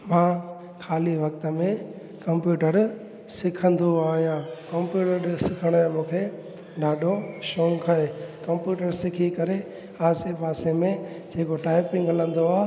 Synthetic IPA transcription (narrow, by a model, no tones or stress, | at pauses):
mãː | kʰaːliʋɐkt̪əmẽ | kɐ̃mpjuːʈəɾ | sɪkʰə̃nd̪oaːɦijãkɐmpjuːʈəɾsɪkʰəɽ̃ãːmũːkʰe | ɗaːɗʱoʃõːŋkʰaekɐ̃mpjuːʈəɾsɪkʰikɐɾe | aːsepaːsemẽ | d͡ʑeːkoʈaːɪpɪ̃ŋɡɦɐlə̃nd̪oaː